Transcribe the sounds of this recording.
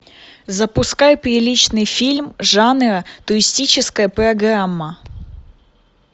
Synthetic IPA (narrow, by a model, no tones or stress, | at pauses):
zəpʊskajpɾʲɪlʲit͡ɕnɨjfʲilʲmʐanɨɾət̪ʊɾʲɪsʲtʲit͡ɕɪskəjəpɾɐɡɾamːə